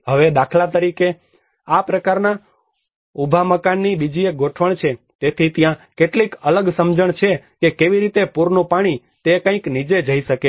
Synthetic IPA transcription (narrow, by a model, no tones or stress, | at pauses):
ɦəʋed̪akʰlat̪̬əɾike | apɾəkaɾna | ubʱaməkanːibid͡ʒieɡʱoʈʰʋəɳt͡ʃʰe | t̪et̪ʰit̪jãkeʈlikələɡsəmd͡ʒəɳt͡ʃʰekekeʋiɾit̪epuɾnũpaɽ̃i | t̪ekə̃ĩknid͡ʒed͡ʒəiʃəke